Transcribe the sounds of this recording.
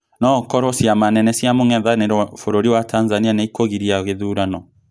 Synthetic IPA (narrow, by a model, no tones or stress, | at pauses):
nɔkɔɾɔsiamanɛnɛsiamoŋɛðaneɾɔfoɾoɾiwatanzanianaikoɣiɾiaɣeðuɾanɔ